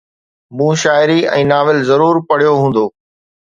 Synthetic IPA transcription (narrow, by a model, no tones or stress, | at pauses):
mũːʃaːɪɾiɛ̰̃ːnaːʋɪlzɐɾuːɾpɐɽ̤ijoɦũːn̆d̪oː